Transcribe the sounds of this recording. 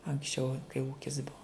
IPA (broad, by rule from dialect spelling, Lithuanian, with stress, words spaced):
ɐŋksʲˈt͡ʃʲɛʊ kɐɪ ˈuːkʲɪs ˈbuɔ